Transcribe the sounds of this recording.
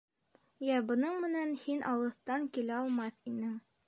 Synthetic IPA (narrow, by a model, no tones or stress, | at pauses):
jæbɤ̆nɤɴmɘ̆nænhinʔɑ̰lˠɤ̆θt̪ɑŋkilæɑlˠmɑθinɘŋ